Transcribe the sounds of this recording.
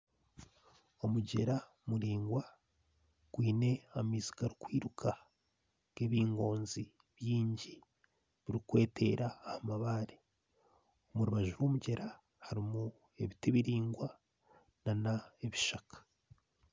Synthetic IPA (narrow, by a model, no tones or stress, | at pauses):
o̞muɟe̞ɾa | muɾiːŋɡwa | ɡ̥wiːne̞amizi̥kaɾikwiːɾukʰa | ɡ̥e̞βiːŋɡo̞ːnzi | βjiːɲɟi | βiɾikwe̞ːte̞̰ɾaːhamaβaːɾe | omuɾuβaʒuɾwo̞ːmuɟe̞ɾa | haɾimu | e̞βite̞βiɾiːŋɡwa | nanaeβiʃakḁ